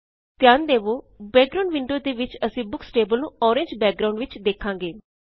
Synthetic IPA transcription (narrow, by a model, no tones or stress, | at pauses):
t̪ɪjaːnd̪eːʋoː | bɛːk̚ɡɾaːɳɖʋɪ̃ɳɖoːd̪eːʋɪt͡ʃəsĩːbʊksʈeːbəlnũːʔɔːɾẽːɲd͡ʒbɛːk̚ɡɾãuɳɖʋɪt͡ʃd̪eːkʰːãːŋɡeː